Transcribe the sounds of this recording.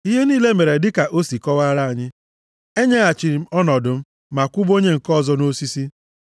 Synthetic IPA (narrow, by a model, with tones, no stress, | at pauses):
i˦ɦe˦niː˦le˦me˨ɾe˨dɪ˦ka˨ʔo˦si˨kɔ˦wa˦ɾa˦a˨ɲɪ˦ | e˦ɲe˦a˨t͡ʃi˨ɾm̩˦ɔ˦nɔ˨dʊ˨m̩˦ | ma˨kʷu˦bo˦ɲe˦ŋ̩˨kɔ˦˨zɔ˦no˦si˦si˦